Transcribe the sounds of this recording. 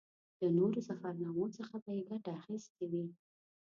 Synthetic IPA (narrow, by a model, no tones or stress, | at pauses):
lənoɾosafaɾnɑmot͡səxabajeɡaʈaːxist̪ewi